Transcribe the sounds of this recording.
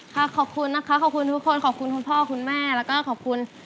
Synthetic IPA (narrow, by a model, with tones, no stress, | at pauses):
kʰa˦˥˩kʰɔː˨˩kʰu˧nːa˦˥kʰa˦˥kʰɔː˨˩kʰu˧nt̪ʰu˦˥kʰːo˧nkʰɔː˨˩kʰu˧nkʰu˧npʰɔː˥˩kʰu˧nmɛː˥˩lɛː˦˥wkɔː˥˩kʰɔː˨˩kʰu˧n